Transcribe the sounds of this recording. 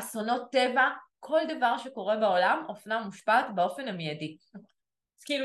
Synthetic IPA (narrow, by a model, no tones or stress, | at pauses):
asono̞t̪ːe̞vakʰo̞ld̪avaʁʃe̞ko̞ʁe̞beo̞lamofnamuʃpatbeo̞fe̞namijadi | kil